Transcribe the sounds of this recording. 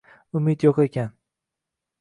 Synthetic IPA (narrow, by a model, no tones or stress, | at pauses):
ʊmɪt̪joqe̞kʲʰan